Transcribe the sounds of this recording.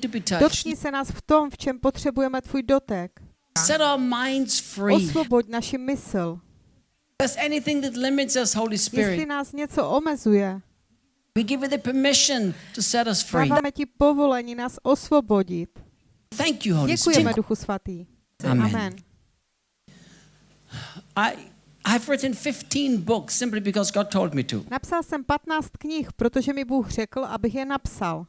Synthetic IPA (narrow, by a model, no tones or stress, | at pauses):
tɨbitʰʌdot̪̚kɲiːsɛnaːsft̪o̞mft͡ʃɛmpot̪r̝̥ɛbujɛmɛt̪vuːjdot̪ɛk | sɛɾaʊəmãɪ̃ndz̥fɹiosvoboɟ̪naʃɪmɪsl | əsɛniθɪ̃ŋðɨt̬ˡlɪ̃mɨtsʌshoʊlˠispjɛɪsɹɪlɪnaːsɲɛt͡soʔomɛzujɛ | wiɡɪvɨðəpʰəmɪʃɨ̃ntʰɨsɛɾʌsfɹaivamɛcɪpovo̞lɛɲɪnaːsʔo̞svo̞bo̞ɟɪt̪ | θæ̃ŋkjɨhoʊɛkujɛmɛduxusvat̪iː | amãmɛn | aɪ | aɪəvɹɪʔn̩fɪftʰĩnbʊksɪ̃mplibɨkɔzɡɑd̚tʰoʊlˠd̚mitʰṵnapsalsɛmpat̪naːt͡st̪kɲɪxpɾot̪oʒɛmɪbuːxr̝̥ɛkl̩ʔabɪɣjɛnapsal